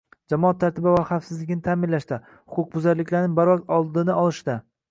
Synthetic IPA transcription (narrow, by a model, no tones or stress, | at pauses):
d͡ʒamɒat̪ʰːaɾt̪ɪbavaχafsɪzlɪkʲɪnɪt̪ʰaːmɪnlaʃt̪a | hʊqʰʊq̚bʊzaɾlɪkʲʰlaɾnɪbaɾvɒq̚t̪ɒlˠd̪ɪnɪɒlˠɪʃt̪a